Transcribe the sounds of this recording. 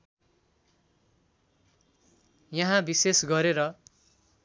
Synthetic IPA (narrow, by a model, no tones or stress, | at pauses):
jʌɦãbisesɡʌɾeɾʌ